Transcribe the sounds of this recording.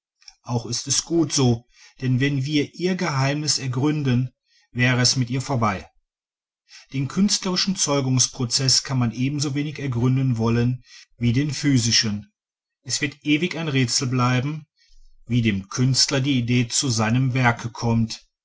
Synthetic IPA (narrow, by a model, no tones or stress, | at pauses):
ʔaʊxɪstɛsɡ̥uːtz̥oː | d̥ɛnvɛnviːɐʔiːɐɡəɦaɪmnɪsɛɐɡʁʏndən | vɛːʁəɛsmɪtʔiːɐfoːɐbaɪ | d̥eːnkʰʏnstləʁɪʃn̩t͡sɔʏɡʊŋspʁ̥ot͡sɛskʰanmanʔeːbm̩zoveːnɪçɛɐɡʁʏndənvɔlənviːdeːnfyːzɪʃən | ʔɛsv̥ɪɐtʔeːvɪçaɪnʁeːt͡sl̩blaɪbm̩ | viːdeːmkʰʏnstlɐdiːideːt͡suzaɪnəmvɛɐkʰəkʰɔmt